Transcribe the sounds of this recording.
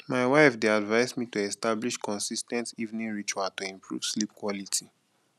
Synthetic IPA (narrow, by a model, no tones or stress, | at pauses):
maɪwaɪfdeadvaɪzmitoɛstabliʃkɔ̃nsistɛ̃ntivnĩɹit͡ʃuatoĩmpʰɹṵv̥slipkwɔlitʰi